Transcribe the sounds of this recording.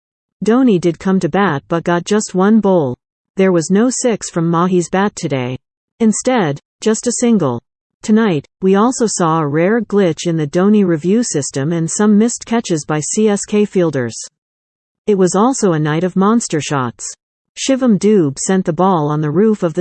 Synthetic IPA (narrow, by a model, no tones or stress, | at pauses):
d̥õʊ̃nidɨd̚kʰʌ̃mtɨbæt̚b̥ʌt̚ɡ̥ɑt̚d̥ʒ̥ʌst̚wʌ̃nboʊlˠ | ðə˞wʌznoʊsɪksfɹʌ̃mːɑɦizbætʰɨdeɪ | ɨ̃nstɛd̥ʒ̥ʌstɨsɪ̃ŋɡl̩ˠ | tʰɨnaɪt̚wiɔlˠsoʊsɔəɹɛɹɡlɪt͡ʃɨ̃nðɨdõʊ̃niɹivjʉsɪstɨ̃mɨ̃nsʌ̃mːɪskʰæt͡ʃɨzbaɪsiɛskʰeɪfilˠdə̰˞z̥ | ɨt̚wʌzɔlˠsoʊɨnaɪɾʌvmɑ̃nstə˞ʃɑ̰ts | ʃɪvə̃mdʉb̥sɛ̃nðəbɔlˠə̃nðɨɹʉfʌvðɨ